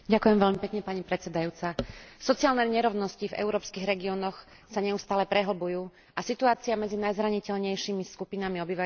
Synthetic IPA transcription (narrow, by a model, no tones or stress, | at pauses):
ɟakujɛmʋɛʎmipɛkɲɛpaɲipɾɛt͡sɛd̪ajuːt͡sasɔt͡sɪaːlnɛɲɛɾɔʊnɔscivɛ̰ʊɾɔːpskiɣɾɛɡiɔːnɔx | saɲɛust̪aːlɛpɾɛɦl̩bujuː | ʔasit̪uaːt͡siamɛd͡zinajzɾaɲicɛʎɲɛjʃimiskupinamiɔbiʋa